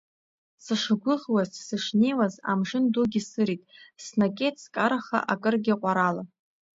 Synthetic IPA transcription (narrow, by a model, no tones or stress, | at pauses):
sɨʂaɡʷʊʁwazsɨʂnejwaza̰mʐɨnduɡʲɪsɨɾitʼsnakʼetʰskʼaɾaχa̰ʔakʼɨrɡʲɪqʷʼaɾala